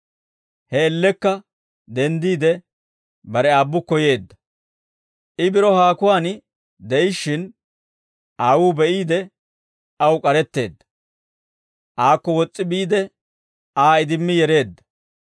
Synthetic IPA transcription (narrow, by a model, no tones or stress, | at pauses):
hɛːlːɛkːɐ | d̪ɛnd̪iːd̪ɛ | bɐɾɛaːbːʊkːɔje̞ːd̪ːɐ | ɪbɪɾɔhaːkʊwaːn | d̪ɛjɪʃːɪn | aːwuːbɛʔiːd̪ɛ | ɐwkʼɐɾɛt̪ːe̞ːd̪ːɐ̥ | ʔaːkːɔwɔt͡sʼːɪbiːd̪ɛ | aːɪd̪ɪmːɪjɛɾe̞ːd̪ːɐ̥